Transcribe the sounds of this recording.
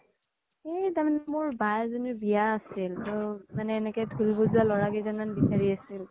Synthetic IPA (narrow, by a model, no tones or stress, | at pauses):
etamanɛmʊɹbajzɔnibijaːsiltʊmanɛːnɛkɔjtʰulbɔzʊalɔɹaɡɔjzananbisaɹiasil